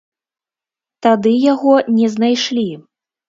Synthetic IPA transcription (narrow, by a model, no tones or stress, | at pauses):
t̪ad̪ɨjaɣɔnʲɛznajʂlʲi